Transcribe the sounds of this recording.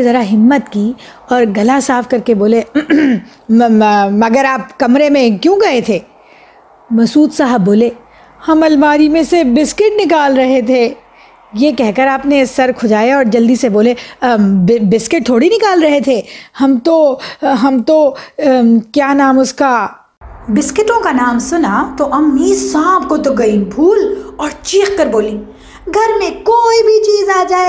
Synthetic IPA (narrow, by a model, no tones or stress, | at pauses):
ezɐɾaɦɪmːət̪kiː | ɔːɾɡɐlasaːfkɐɾkeboːle | mɐɡəɾaːpkɐmɾemẽkjõɡɐet̪ʰeː | mɐsuːt̪saːɦəbboːleː | hɐmɐlmaːɾimẽsebɪskɪʈnɪkaːlɾɐɦet̪ʰe | jekɛɦkɐɾaːpnesɐɾkʰʊd͡ʒaːjeɔːɾd͡ʒɐld̪iseboːle | bɪskɪʈ̚t̪ʰoːɽinɪkaːlɾɐɦet̪ʰeːhɐmt̪oɦɐmt̪o | kjaːnaːmʊska | bɪskɪʈõkanaːmsʊnat̪oʔɐmːisãːbkot̪oɡɐĩbʱuːlɔːɾt͡ʃiːxkɐɾboːlĩː | ɡʱɐɾmẽkoːibʱit͡ʃiːzaːd͡ʒaːe